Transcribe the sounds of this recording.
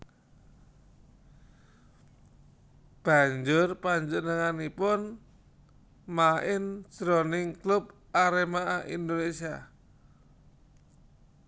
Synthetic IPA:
b̥a̤ɲd͡ʒʊrpaɲd͡ʒunəŋanipʊn | maʔɪnsɾonɪŋklʊb | aɾemaʔaʔḭnd̪onesia

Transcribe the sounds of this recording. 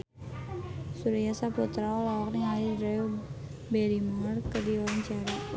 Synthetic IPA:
suɾijasaput̪ɾaɔlawɔk̚niŋalidɾɛu | bɛɾimaərkədiɔɾaɲt͡ʃaɾa

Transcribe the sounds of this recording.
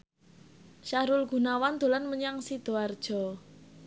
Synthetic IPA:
ʃaɾʊlɡ̥ṳnawand̪̥o̤lanməɲaŋsid̪̥o̤ard̥ʒ̥ɔ̤

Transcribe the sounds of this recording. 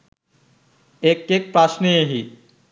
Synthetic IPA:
ekːek̚pɾaʃneeɦi

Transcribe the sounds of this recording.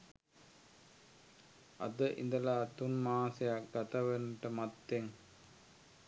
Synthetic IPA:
ɐ̰d̪əʔḭnd̪ɐlaːt̪unmaːsejak̚ɡat̪ɐʋenəʈəmat̪ːeŋ

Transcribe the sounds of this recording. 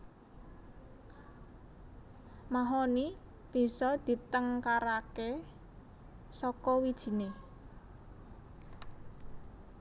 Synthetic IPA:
maɦɔni | b̥i̤sɔd̪̥i̤t̪əŋkaɾake | sɔkɔwid̥ʒ̥i̤ne

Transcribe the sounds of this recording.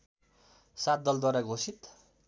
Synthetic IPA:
sat̪̚d̪ʌld̪waɾaɡʱosit̪

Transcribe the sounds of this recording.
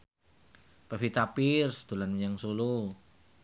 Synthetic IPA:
pafit̪apirsd̪̥ṳlanmɲaŋsulu

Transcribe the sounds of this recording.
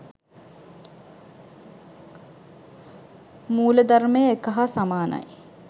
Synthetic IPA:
muːləd̪aɾmejəekəɦasamaːnɐ̰j

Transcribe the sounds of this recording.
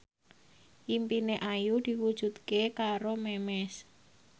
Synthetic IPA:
ʔimpineʔajud̪̥i̤wud̥ʒ̥ṳd̪kekaɾomɛmɛs

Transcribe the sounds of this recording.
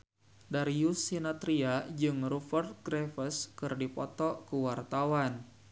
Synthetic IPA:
daɾijusinat̪ɾiad͡ʒɨŋrufərt̪̚ɡɾɛfəskɨrdipɔt̪ɔkuwart̪awan

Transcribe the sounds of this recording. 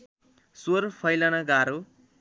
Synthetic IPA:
sorpʰʌjlanaɡaɾo

